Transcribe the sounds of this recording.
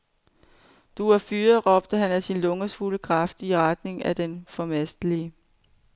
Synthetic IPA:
d̥uɐfyːɐʁɒ̽b̥̚d̥əɦænæsinlɔ̽ŋɐsfuləkʰʁɑ̈fd̥iʁad̥ne̝ŋæd̥enfɒ̽mæsd̥əliə

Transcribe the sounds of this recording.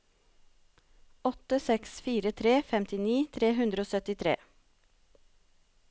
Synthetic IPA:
ɔt̪əsɛksfiːɾət̪ʰɾeːfɛmt̪ɪniːt̪ʰɾeːɦʉnd̪ɾoːsœt̪ɪt̪ʰɾḛː

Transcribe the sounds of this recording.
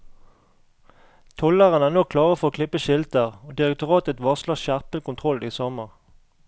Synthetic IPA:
t̪ʰɔləʁənæːnɔːkʰlɑːʁəfɔʁoːkʰlɪpəʃɪlt̪əʁoːd̪ɪʁɛk̚t̪ʊʁɑːt̪ət̪ʋɑsləʁʃæʁpəlkʊnt̪ʰʁɔld̪iːsɔməʁ

